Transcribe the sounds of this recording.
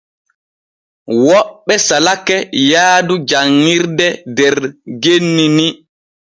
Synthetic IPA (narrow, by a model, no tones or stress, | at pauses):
wɔɓːɛsalakɛjaːdud͡ʒaŋːiɾdɛdɛɾɾɡenːini